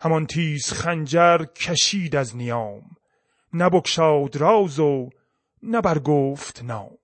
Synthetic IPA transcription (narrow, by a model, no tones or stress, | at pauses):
hæmɒnt̪ʰiːz̥χænd͡ʒæɾkʰæʃiːd̪æznijɑːm | næbokʃɑːwd̪ɾɒːwzo | næbæɾɡoːft̪nɒ̰ːm